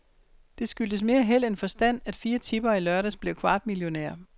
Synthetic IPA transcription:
d̥e̝sɡ̥yld̥əs̬me̝ːɐɦel̰enfɒ̽sd̥æn̰æd̥fiːɐt͡sʰib̥ɐːilɶɐɾæsb̥le̝ʊkʰʋɑ̈ːd̥̚miljo̝nḛɐ

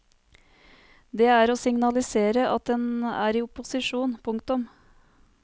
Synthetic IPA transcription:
d̪ɛːæːɾoːsɪŋnɑlɪseːɾəʔɑt̪̚d̪ɛnæ̰ːɾiːʊpʊsɪʂuːnpʰʊŋk̚t̪ʊm

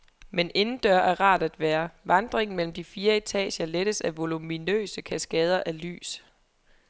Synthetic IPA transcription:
mene̝nn̩d̥ɶɐʔæɐʁɑ̈ːd̥æd̥ʋæːɐʋɑ̈nd̥ʁeŋn̩mel̰m̩d̥ifiːɐe̝t͡sʰɛ̰ːɕɐleɾ̥əsæʋo̝luminø̰ːsəkʰæsɡ̥ɛːð̞ˠɐʔæly̰ːs

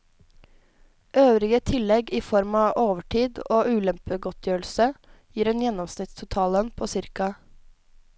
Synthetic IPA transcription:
ʔøːʋɾɪɡət̪ʰɪlːɛɡiːfɔɾmɑːʔoːʋəʈʰiːd̪oːʔʉːlɛmpəɡɔt̪ʰjøːɭ̩səjiːɾənjɛnɔmsnɪt̪st̪ʰʊt̪ʰɑːlənpʰoːsɪɾkɑ

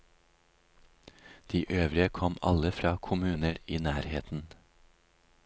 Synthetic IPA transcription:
d̪̥iːʔøːʋɾɪəkʰɔmɑ̰ləfɾɑːkʰʊmʉːnəɾiːnæːɾheːt̪n̩

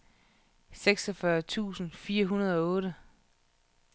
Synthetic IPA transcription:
seɡ̥sɒfɶɐt͡sʰṵːsn̩fiːɐɦunɐð̞ˠɒ̽ɔ̽ːɾə

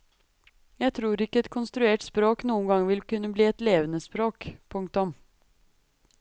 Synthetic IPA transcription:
jæɪt̪ʰɾuːɾɪkːəɛt̪kʰʊnst̪ɾʉeːʈspɾoːknuːənɡɑŋəʋɪlkʉnːəbliːɛt̪leːʋənəspɾoːkpʰʊŋkt̪ʊm

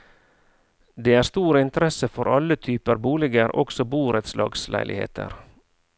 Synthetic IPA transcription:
d̪eːæːɾst̪uːɾəɪnt̪əɾɛsəfɔɾʔɑlət̪ʰyːpəɾbuːlɪɡəɾʔɔ̰ksɔbuːɾət̪slɑ̰ːɡslʔæ̰ɪlʔɪ̰hḛːt̪ʰə̰ɾ

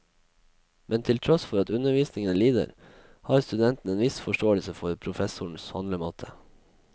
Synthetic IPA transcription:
mʔɛnt̪ʰɪlt̪ʰɾɔsfɔɾɑt̪ʉnəʋiːsnɪŋənliːd̪ə̰ɾ | hɑːɾst̪ʉd̪ɛnt̪n̩eːnʋɪsfɔʂʈoːəlsəfɔɾpʰɾʊfɛsʊɳ̩shɑ̰nləmoːt̪ʰə

